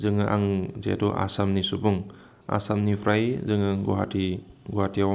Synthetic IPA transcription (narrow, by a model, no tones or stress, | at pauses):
zɯŋɯʔa̰ŋzḛduʔa̰samnisubuŋ | a̰samnipʰɾajzɯŋɯɡṵɦatiɡuɦatia